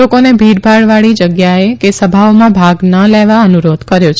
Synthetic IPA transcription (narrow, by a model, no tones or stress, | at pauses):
okonebʱiɾbʱaɭʋaɭid͡ʒəɡjaekesəbʱaʋmãbʱaɡnəleʋaənuɾod̪kəɾjot͡ʃʰ